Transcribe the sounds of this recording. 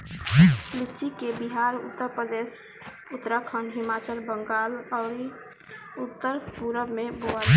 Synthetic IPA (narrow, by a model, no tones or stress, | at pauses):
lit͡ʃikebiɦaɾʊ̰t̪ːəɾpɾəd̪es | ut̪ːɾəkʰənɦimat͡ʃəlbəŋɡaːlɔːɾ | ut̪ːəɾpuɾəbmeboa